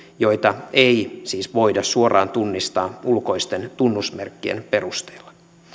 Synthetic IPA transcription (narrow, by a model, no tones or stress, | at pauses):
jo̞it̪ɑeisiːsʋo̞idɑssuorɑːnt̪unːist̪ɑːulko̞ist̪e̞nt̪unːusmerkːiḛnpe̞rust̪eːlːɑ